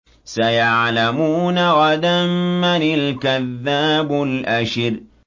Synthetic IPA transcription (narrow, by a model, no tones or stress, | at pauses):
sajaʕlamuːnaɣɑd̪amːanɪlkaðːaːbʊlʔaʃɾ